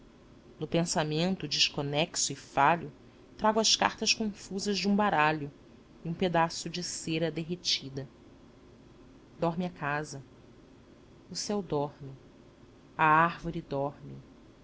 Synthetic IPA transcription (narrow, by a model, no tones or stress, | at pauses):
nʊpẽsamẽnt̪ʊd͡ʒɪʃkonɛksʊɪfaʎʊ | t̪ɾaɡʊɐʃka̰ɾt̪ɐʃkõfuzɐʒd͡ʒɪũbaɾaʎʊ | iũped̪asʊd͡ʒɪseɾɐd̪eɦet͡ʃid̪ɐ | d̪ɔɾmɪakazɐ | ʊsɛwd̪ɔɾmɪ | ɐaɾvoɾɪd̪ɔɾmɪ